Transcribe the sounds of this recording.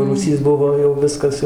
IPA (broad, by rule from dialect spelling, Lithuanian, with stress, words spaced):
ruːˈsʲiːs ˈbʊʋoː jɛʊ ˈʋʲɪskɐs jɛʊ